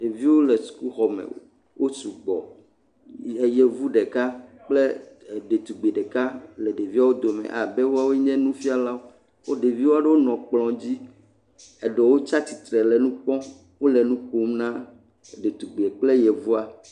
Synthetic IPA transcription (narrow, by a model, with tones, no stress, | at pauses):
ɖe˨vi˦wo˦lɛ˨su̥˨ku˦xɔ˨mḛ˨ | wʔo˦su˨ɡ͡bɔ̰˨ | e˨jɛ˨vu˦ɖe˨ka˦ | k͡ple˦˨ɖe˨t̪u˨ɡ͡be˨ɖe˨ka˦lɛ˨ɖe˨vi˦a˦wo˦d̪o˨mɛ̰̃˨ʔa˨bɛ˦wo˦a˦wo˦ɲɛ̃˦nũ˦fi˦a˨la˦wo˦ | wo˦ɖe˨vi˦wo˦a˦ɖe˦wo˦nɔ̃˨k͡plɔ̃˨d͡ʑi˦ | ɛ˨ɖɔ˨wo˦t͡ʃa˦t̪i˨t̪ɾɛ˨lɛ˨nũ˦k͡pɔ̃˦ | wo˦lɛ˨nũ˦k͡po˦mnã˦˨ | ɖe˨t̪u˨ɡ͡be˨k͡ple˦jɛ˨vu˦a˨